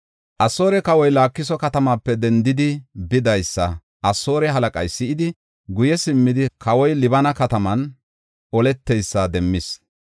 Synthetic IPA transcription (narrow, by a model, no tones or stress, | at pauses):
ʔɐso̞ːɾɛkɐwɔjlaːkːɪsɔkɐt̪ɐmaːpːɛd̪ɛnd̪ɪd̪ɪbɪd̪ɐjsːɐ | ʔɐso̞ːɾɛɦɐlɐkʼɐ̰jsɪʔɪd̪ɪ | ɡʊjɛsɪmːɪd̪ɪkʰɐwɔjlɪbɐnɐkɐt̪ɐmɐn | ɔlɛt̪ːɛjsːad̪ɛmːɪs